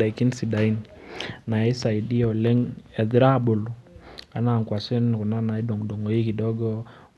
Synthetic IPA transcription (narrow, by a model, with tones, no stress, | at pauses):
a˨kɪ˦nsi˨da˨i˦n | na˨i˦sa˨i˨di˦ɔ˨lɛ˦ŋɛ˨ðɾa˦˨bo˨lu˨a˦na˨ŋkwa˨sɪ˦n˨kʊ˨na˦na˨i˦do˨ŋdo˨ŋo˨i˦ki˨dɔ˦ɡɔ˦